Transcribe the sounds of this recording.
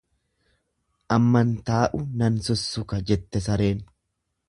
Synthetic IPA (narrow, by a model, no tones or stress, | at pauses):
ʔɐmːɐnt̪aːʔʊnɐnsʊsːʊkɐd͡ʒɛt̪ːɛsɐɾeːn